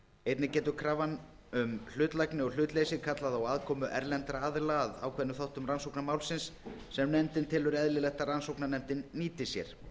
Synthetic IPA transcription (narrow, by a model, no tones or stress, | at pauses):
ejt̪nɪcɛːt̪ʏkʰɾavan | ʏml̥ʏːt̪lajknɪɔɣl̥ʏːt̪leːjsɪkʰat̪laðawaðkʰɔːmʏʔɛɾlɛnt̪ɾaaðlaða̰wkʰvɛnːʏθawht̪ʏmransowknamaːwlsɪnsː | ɛmnɛmt̪ɪnt̪ʰɪlʏɾɛðlɪlɛht̪aransowknanɛmt̪ɪnːiːt̪ɪ̥sjɛɾ̥